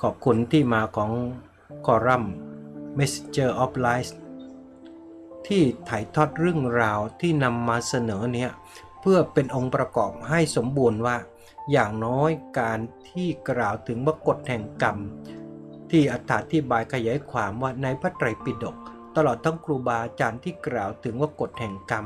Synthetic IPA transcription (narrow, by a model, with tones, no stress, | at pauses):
kʰɔː˨˩p̚kʰu˧nt̪ʰiː˥˩maː˧kʰɔː˩˦ŋ | kʰɔː˧ɾa˥˩mː | e˦˥se˧t͡ɕɤː˥˩ʔɔ˦˥p̚laː˦˥js | t̪ʰiː˥˩t̪ʰa˨˩˦jt̪ʰɔː˥˩t̪̚ɾɯ˥˩əŋɾaː˧wt̪ʰiː˥˩na˧mːaː˧sa˧nɤː˩˦ni˦˥ɐ | pʰɯ˥˩ɐpe˧nʔo˧ŋpɾa˧kɔː˨˩p̚ha˥˩jso˩˦mbuː˧nwaː˥˩ | jaː˨˩ŋnɔː˦˥jkaː˧nt̪ʰiː˥˩kɾaː˨˩wt̪ʰɯ˩˦ŋwaː˥˩ko˨˩t̪̚hɛ˨˩ŋka˧m | t̪ʰiː˥˩ʔa˨˩t̪ʰːaː˩˦˥t̪ʰiː˧˥˩baː˧jkʰa˧jaː˩˦jkʰwaː˧mwaː˥˩na˧jpʰa˦˥˩t̪ɾa˨˧˩jpi˨˩do˨˩k̚ | t̪a˧lɔː˨˩t̪ʰːa˦˥ŋkʰɾuː˧baː˧ʔa˧t͡ɕaː˧nt̪ʰiː˥˩kɾaː˨˩wt̪ʰɯ˩˦ŋwaː˥˩ko˨˩t̪̚hɛ˨˩ŋka˧m